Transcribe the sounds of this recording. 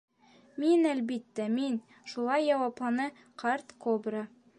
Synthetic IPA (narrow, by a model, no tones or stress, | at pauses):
minælbit̪ːæmin | ʃulˠɑjːɑwɑplˠɑnɤ | qʰɑɾt̪kobrə